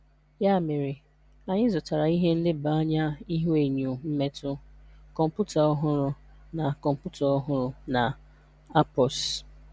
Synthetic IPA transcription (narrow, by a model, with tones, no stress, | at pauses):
ja˦˨mɪ˨ɾɪ˨ | a˨ɲɪ˦zʊ˨ta˨ɾa˨i˦ɦe˦n̩˦lɪ˦ba˨a˦ɲa˦i˦ɦu˦e˨ɲu˨m̩˦me˦tʊ˦kɔ˨m̩˨pu˦ta˨ɔ˦ɦʊ˦ɾʊ˦ | na˨kɔ˨m̩˨pu˦tɔ˨ɔ˦ɦʊ˦ɾʊ˦na˨ | a˦pɔ˨s